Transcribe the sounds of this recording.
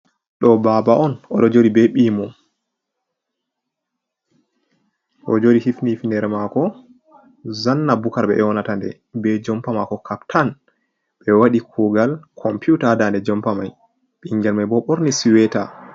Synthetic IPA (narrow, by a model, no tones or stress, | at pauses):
ɗɔbabaʔɔnɔɗɔd͡ʒoɾibɛɓiːmɔ | ʔɔd͡ʒoɾihifnifndɛɾɛmakɔ | zanːabukaɾɓɛ̰ʔɛwɔnatandɛ̰ | bɛd͡ʒɔmpamakɔkʰaptʰan | ɓɛwaɗikʰuɡalkʰɔmpjutadandɛd͡ʒɔmpamaj | ɓiŋɡɛlmajbɔɓoɾnisiwɛta̰